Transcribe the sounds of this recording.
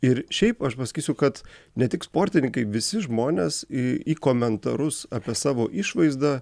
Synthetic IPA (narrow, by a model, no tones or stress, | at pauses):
ɪɾʃʲɛɪpɐʃpɐsɐ̥kʲiːsʲʊkɐt̪nʲɛt̪ʲɪkspoːɾʲt̪ʲɪnʲɪŋkɐɪʋʲɪsʲɪʒmoːnʲesɪiːkoːmʲɛnt̪ɐɾʊsɑpʲiɛsɑːʋoːʔɪʃʋɐɪzd̪ɑː